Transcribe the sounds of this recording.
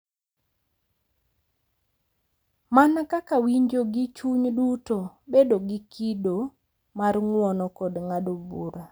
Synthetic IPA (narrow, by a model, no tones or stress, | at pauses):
manakakawiɲd͡ʒoɡit͡ʃuɲdutobedoɡɪkido | marŋwɔnɔkɔdŋadobṵɾa